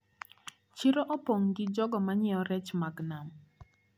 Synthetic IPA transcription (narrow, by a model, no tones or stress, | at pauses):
t͡ʃɪɾɔʔɔpɔŋɡɪd͡ʒɔɡɔmaɲɛɔɾɛt͡ʃmaɡnam